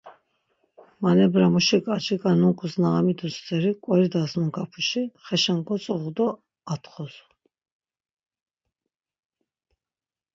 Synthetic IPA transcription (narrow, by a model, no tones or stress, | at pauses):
manɛbɾamuʃikʼat͡ʃʰikʼanuŋkʰʼusnaamid̪ust͡sʼɛɾikʼwɛɾid̪asmuŋkʰapʰuʃiχɛʃaŋkʼɔt͡s̪ʼɔʁd̪ɔ | at̪χɔs